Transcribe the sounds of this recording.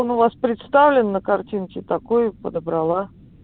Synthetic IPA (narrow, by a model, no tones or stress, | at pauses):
onʊvaspɾʲɪt̪st̪avlʲɪnːəkɐrtʲinkʲɪt̪ɐkojʊpəd̪əbɾɐlˠa